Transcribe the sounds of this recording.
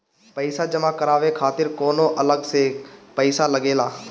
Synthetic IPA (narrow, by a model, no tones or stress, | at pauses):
pəɪsad͡ʒəmakəɾaːʋekʰaːt̪ɪɾkɔːnõʔɐləɡsepəɪsaləɡeːlaː